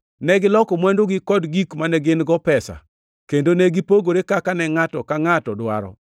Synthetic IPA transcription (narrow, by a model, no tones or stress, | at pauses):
nɛɡɪlɔkɔmwɛndoɡɪkɔdɡikmanɛɡɪnɡɔpɛsa̰ | kendonɛɡɪpoɡoɾekakanɛŋatɔkaŋatɔdwa̰ɾɔ̰